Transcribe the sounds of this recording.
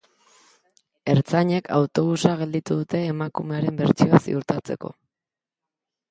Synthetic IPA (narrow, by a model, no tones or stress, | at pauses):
e̞ɾt͡saɲe̞kʰa̰wt̪o̞βusaɣ̞e̞ld̪it̪uðut̪e̞ːmakume̞aɾe̞mbe̞ɾt͡sioasḭuɾt̪at͡se̞ko̞̰